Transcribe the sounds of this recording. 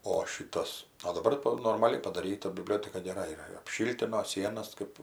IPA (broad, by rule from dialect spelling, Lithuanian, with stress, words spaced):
oː ˈʃʲiːtɐs oː dɐˈbɐr toː noːrmɐˈlʲɪ pɐdɐˈrʲiːtɐ bʲɪˈbʲlʲoːtʲɛkɐ ɡʲɛˈrɐ iːˈrɐ ɪr ɐpʲˈʃʲɪlʲtʲɪnoː ˈsʲiɛnɐs kɜp